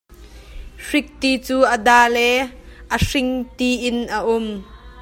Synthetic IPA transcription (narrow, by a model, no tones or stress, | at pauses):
ʂɪk̚t̪it͡suːʔəd̪aːlɛʔəʂɪŋt̪iʔɪnʔəʔʊm